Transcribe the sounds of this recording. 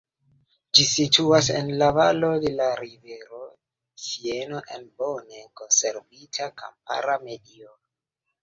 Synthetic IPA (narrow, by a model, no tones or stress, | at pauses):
d͡ʒisituasḛnlavalo̞de̞laɾive̞ɾo̞ | sienoʔenbo̞neko̞nse̞ɾvitʰaka̰mpa̰ɾame̞dio